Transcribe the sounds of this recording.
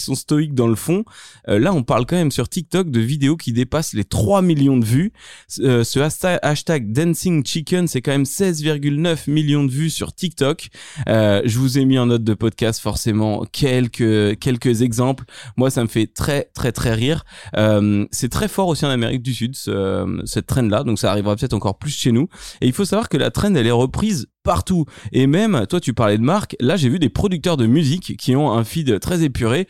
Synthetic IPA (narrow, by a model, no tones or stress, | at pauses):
sɔ̃st̪ɔik̚d̪ɑ̃ləfɔ̃ølaɔ̃paʁlkɑ̃mɛmsyʁt̪ik̚t̪ɔk̚d̪əvid̪eokʲid̪epaslet̪χwamiljɔ̃d̪əvyøsəaʃt̪aʔaʃt̪aɡ̚d̪ɛ̃nsiŋt͡ʃikʲɛnsɛkɑ̃mɛmsɛzviʁɡʲylnœfmiljɔ̃d̪əvysy̰ʁt̪ik̚t̪ɔkøʒəvuzemiɑ̃nɔt̪̚d̪əpɔd̪̚kʲast̪fɔʁsemɑ̰̃kʲʰɛlkʲəkʲɛlkəzɛɡzɑ̃plmwasaməfɛt̪χɛt̪χɛt̪χɛʁiʁømsɛt̪χɛfɔʁosiɑ̃nameʁik̚d̪ysyd̪sə̰sɛt̪ːχɛnlad̪ɔ̃ksaːʁivʁap̬ət̪ɛt̪χɑ̃kɔʁplysʃenueilfosavwaʁkəla̰t̪χɛnɛlɛʁəpχizpaʁt̪uemɛmt̪wat̪ypaʁlɛd̪əmaʁklaʒevyd̪epχɔd̪yk̚t̪œʁd̪əmyzikʰʲːiɔ̃ɛ̃fid̪t̪χɛzepyʁe